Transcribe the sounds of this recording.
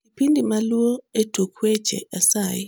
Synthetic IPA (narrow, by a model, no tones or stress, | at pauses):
kipindimalwoetukwet͡ʃḛʔasaɪ